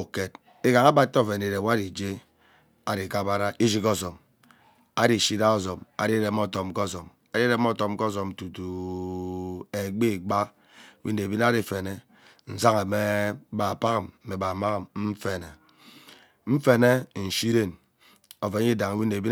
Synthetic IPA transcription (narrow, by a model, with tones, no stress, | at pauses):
o˨ke˨t | e˦ka˨ŋa˦ba˦tːo˦˨fe˨n˨e˨ɾe˨wa˦di˨d͡ʒe˦ | a˦di˨ka˦ba˦ɾa˦ʔi˦d͡ʒi˦kɔ˦˨zo˨m | a˦ɾi˨ʃi˦da˦o˦zo˨ma̰˨di˦ɾe˨m˦ɔ˦˨to˨m̩˦ko˦˨zo˨m | a˦di˦ɾe˦m˦ɔ˦to˨m̩˦kɔ˦zo˨m̩˨tu˨tu˨ | e˨ɡ͡bi˦˨ɡ͡ba˦ | wi˦ne˨bi˦n˦a˦ɾi˨fe˨ne˦ | n̩˨za˦ŋe˨me˦ba˨pa˦ɣm̩˨e˨ba˨ma˦ɣm̩˦fe˨ne˨ | m̩˦fe˦ne˦n̩˨ʃi˦ɾe˦˨n | o˨ve˨˦i˦da˨ŋ˨wi˦ne˨bi˦